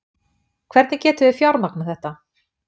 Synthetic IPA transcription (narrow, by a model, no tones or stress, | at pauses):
kʰvɛɾt̪nɪcɛːt̪ʏðɪfjawɾnak̚naθɛht̪a